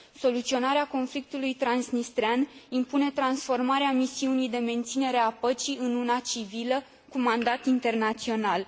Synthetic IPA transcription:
so̞lut̪sio̞naɾeako̞nflik̚t̪ulujt̪ɾansnist̪ɾeanimpune̞t̪ɾansfo̞rmaɾeamisiunijd̪e̞me̞nt̪sine̞ɾe̞apət͡ʃiɨnunat͡ʃivilə | kumand̪at̪int̪e̞rnat̪sio̞nal

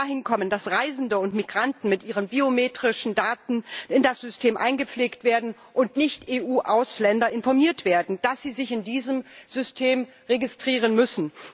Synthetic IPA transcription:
ahɪnkʰɔməndasʁaɪzn̩dəʊntmiɡʁantn̩mɪtʔiːʁ̞ənbiomeːtʁ̥ɪʃn̩daːtn̩ɪndasz̥ʏstʰeːmʔa̰ɪnɡəp͡fleːktv̥eːɐdn̩ | ʔʊntnɪçtʔeːʔuːʔaʊslɛndɐʔɪnfɔɐmiːɐtv̥eːɐdn̩d̥asz̥iːzɪçɪndiːzəmz̥ʏstʰeːm | ʁeɡɪstʁ̥iːʁ̞ənmʏsn̩

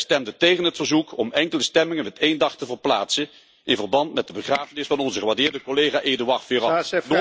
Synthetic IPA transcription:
stɛmdətejχənɦətfəɹzukɔmɛŋkələstɛmɪŋənʋɛtejndɑχtəvərplaːtsə | ɪnvərbɑntmɛt̚dəbəχraːvənɪsfɑnɔnzəχəʋaɹdɪːɹdəkolejχaːʔedyʋɑrfɪːrɑ

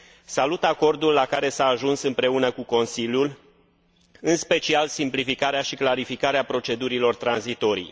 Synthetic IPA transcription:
salut̪ako̞rd̪ulːakaɾe̞saːʒunsɨmpɾe̞unəkuko̞nsiljul | ɨnspe̞t͡ʃialsimplifikaɾeaʃiklaɾifikaɾeapɾo̞t͡ʃe̞d̪uɾilo̞rt̪ɾanzit̪o̞ɾḭj

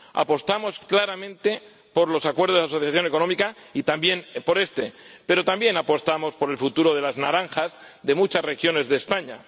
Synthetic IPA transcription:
a̰po̞st̪amo̞sklaɾamẽnt̪e̞ | po̞ɾlo̞sakwe̞ɾðoas̬o̞θjaθjone̞ko̞nomikait̪ambje̞npo̞ɾe̞st̪e̞pe̞ɾot̪ambje̞napo̞st̪amo̞spo̞ɾe̞lfut̪uɾo̞ð̞e̞laznaɾaŋxazðe̞mut͡ʃasre̞xjo̞ne̞zðeːspaɲa̰

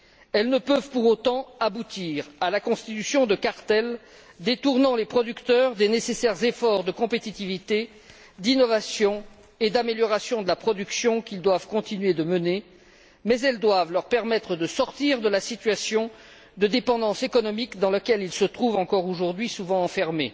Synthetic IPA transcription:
ɛlnəpøvpuʁot̪ɑ̃abut̪iʁalakɔ̃st̪it̪ysjɔ̃d̪əkaʁt̪ɛl | d̪et̪uʁnɑ̃lepχɔd̪ykt̪œʁd̪enesesɛʁzefɔʁd̪əkɔ̃pet̪it̪ivit̪e | d̪inɔvasjɔ̃ | ed̪ameljɔʁasjɔ̃d̪əlapχɔd̪yksjɔ̃kild̪wavkɔ̃t̪inɥed̪əməne | mɛzɛld̪wavlœʁpɛʁmɛt̪χəd̪əsɔʁt̪iʁd̪əlasit̪ɥasjɔ̃ | d̪əd̪epɑ̃d̪ɑ̃sekɔnɔmikd̪ɑ̃lakʲɛlilsət̪χuvɑ̃kɔʁoʒuʁd̪ɥisuvɑ̃ɑ̃fɛʁme

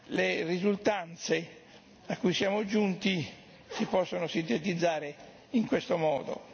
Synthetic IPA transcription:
lerizult̪ant̪se | akːujsjaːmod͡ʒunt̪i | sipɔsːonosint̪et̪id̪zːaːɾe | iŋkwest̪omɔ̰ːd̪o̰

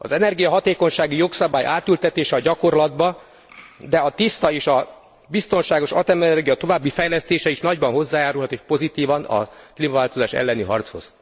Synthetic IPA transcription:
ɒ̰zɛnɛrɡijɒɦɒt̪eːko̞ɲʃaːɡijo̞ksɒbaːjʔaːt̪ylt̪ɛt̪eːʃɛɒɟɒko̞rlɒd̪bɒ | d̪ɛɒt̪ist̪ɒeːʃɒ | bist̪o̞nʃaːɡo̞ʃɒ̰t̪ɛmɛnɛrɡijɒt̪o̞vaːbːifɛjlɛst̪eːʃɛiʃnɒɟbɒnɦo̞zːaːjaːɾulɦɒt̪eːʃpo̞zit̪iːvɒnɒ̰kliːmɒvaːlt̪o̞zaːʃɛ̰lːɛniɦɒ̰rt̪sho̞̰z̥

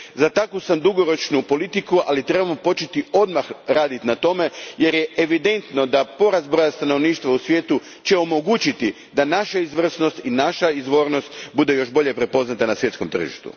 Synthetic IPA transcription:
zat̪akusamd̪uɡo̞ɾo̞t͡ʃnupo̞lit̪ikuʔalit̪ɾe̞bamopo̞t͡ʃet̪io̞d̪maxɾaːd̪it̪nat̪o̞me̞je̞ɾje̞eʋid̪e̞nt̪no̞d̪apo̞ɾazbɾo̞jast̪ano̞ʋniːʃt̪ʋausʋʲjet̪u | t͡ʃe̞o̞mo̞ɡuːt͡ɕit̪i | d̪anaʃaizʋr̩sno̞st̪inaʃaizʋo̞ːɾno̞st̪bud̪e̞jo̞ʃbo̞ʎe̞pɾe̞po̞znat̪anasʋje̞t̪ko̞mt̪r̩ʒḭʃt̪ṵ

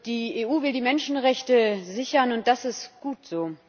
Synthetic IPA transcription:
d̥iːeːʔuːvɪldiːmɛnʃn̩ʁɛçtəzɪçɐnʊnt̚d̥asɪstɡ̥uːtz̥oː

